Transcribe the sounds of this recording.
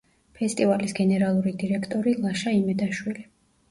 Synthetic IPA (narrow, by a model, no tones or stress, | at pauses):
pʰɛst̪ʼivalisɡɛnɛɾalˠuɾid̪iɾɛkʰt̪ʼɔɾilˠaʃaimɛd̪aʃwili